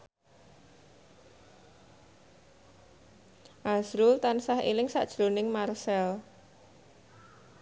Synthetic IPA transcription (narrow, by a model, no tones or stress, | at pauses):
ʔazɾʊlt̪ansahḛlɪŋsa̰ʔd̥ʒ̥ɾonɪŋmarsɛl